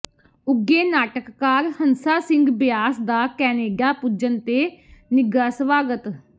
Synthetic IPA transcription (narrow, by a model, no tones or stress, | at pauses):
ʊɡeːnaːʈəkːaːɾhənsaːsɪ̃ŋɡbɪjaːsd̪aːkɛːneːɡjaːpʊd͡ʒənt̪eːnɪɡaːsʋaːɡət̪